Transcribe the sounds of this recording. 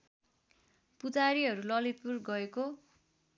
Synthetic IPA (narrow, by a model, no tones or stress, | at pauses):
pud͡zaɾiɦʌɾulʌlit̪̚purɡʌeko